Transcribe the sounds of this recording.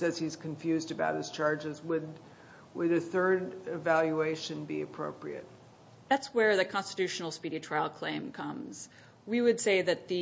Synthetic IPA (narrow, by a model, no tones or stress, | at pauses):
ɨz̥iz̥kʰɨ̃ɱfjʉzdɨbaʊt̚hɨz̥t͡ʃʰɑɹd͡ʒɨzwəd | wəɾɨθɜ˞ɾɪvælˠjueɪʃɨ̃nbiɨpʰɹ̥oʊpɹḭɨ̰t̚ | ðætswə˞ðɨkʰɑ̃nstɨtʰʉʃn̩l̩ˠspiɾitʰɹ̥aɪlˠkʰl̥ẽɪ̃mkʰʌ̃mz̥ | wiwɨd̥seɪðɨt̪̚ðɨ